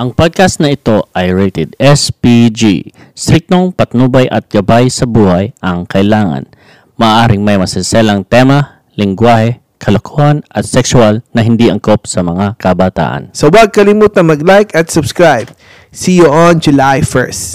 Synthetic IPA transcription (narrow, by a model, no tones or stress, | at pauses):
ʔɐŋpod̪̚kɐst̪nɐʔɪt̪o̞ʔɐjɹɛt̪ɛd̪ɛspid͡ʒḭ | st̪ɾik̚t̪oŋpɐt̪nubɐjʔɐ̰t̪̚ɡ̥ɐbajsɐbuːhajʔɐŋkʰɐʔɪlaːŋɐ̰n | mɐʔːʔaːɾɪŋmɐjmɐsɛnsɛlɐŋt̪ɛmɐ | lɪŋɡwaːhɛ | kʰɐlokʰohɐnɐt̪sɛksʊalnɐɦɪnd̪iʔɐŋkop̚sɐmɐŋakɐbaːt̪a̰ːʔɐ̰nsɐwɐɡ̚kɐlimuːt̪ɐŋmɐɡlajkɐt̪sʊbskɹajb̚ | sijoʔɔnd͡ʒʊlajfɛ̰ɹst̪